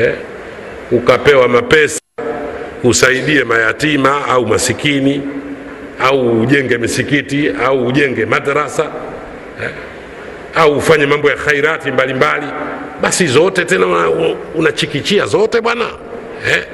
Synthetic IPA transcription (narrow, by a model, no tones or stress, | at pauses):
ɛ | ukapɛwamapɛsa | usaiɗiɛmajatimaaumasikini | auːʄɛŋɡɛmisikitiauːʄɛŋɡɛmaɗaɾasa | hɛ | auːfaɲɛmambɔjaxaiɾatimbalimbaliɓasizɔtɛtɛnaunat͡ʃikit͡ʃiazɔtɛɓwana | hɛ